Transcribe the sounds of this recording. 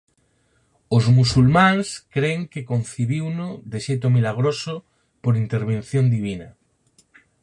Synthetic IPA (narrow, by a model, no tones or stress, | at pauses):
ozmusulmãŋskɾeŋkekon̟θiβiwnoðeʃejt̪̬omilaɣ̞ɾoso | poɾint̪eɾβen̟θjond̪iβinɐ